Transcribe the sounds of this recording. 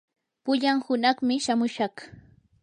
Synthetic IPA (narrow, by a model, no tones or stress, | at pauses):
pʊʎaŋhʊnɑχmɪʃamʊʃɑχ